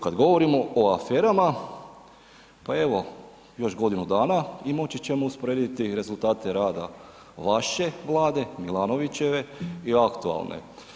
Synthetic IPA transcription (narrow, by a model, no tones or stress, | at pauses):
kad̪ɡo̞ʋo̞ɾimo̞ʔoafeːɾama | pae̞ʋo̞ | jo̞ʃɡo̞d̪inud̪aːnaimo̞t͡ʃit͡ɕe̞mouspoɾe̞dd̪it̪iɾe̞zulˠt̪aːt̪e̞ɾaːd̪a̰ | ʋaʃe̞ʋlˠaːd̪e̞milˠano̞ʋit͡ɕe̞ʋe̞iakt̪ua̰lˠnʔḛ